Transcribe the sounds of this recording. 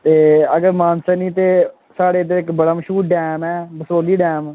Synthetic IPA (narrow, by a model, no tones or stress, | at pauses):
t̪eːəɡəɾmaːnsənĩːt̪eː | saːɽeːd̪eɾɪkbəɽaːməʃuːɖɛːmɛːbəsoːliːɖɛːm